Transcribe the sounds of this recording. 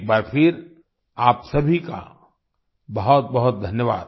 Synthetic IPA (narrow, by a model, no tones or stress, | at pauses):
k̚baːɾpʰɪɾ | aːpsɐbʱika̰ | bɐɦʊt̪̚bɐɦʊt̪̚d̪ʱɐnjəʋa̰ːd̪